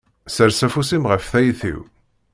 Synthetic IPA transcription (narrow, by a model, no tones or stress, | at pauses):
səɾsæfusimʁəfθæjθḭw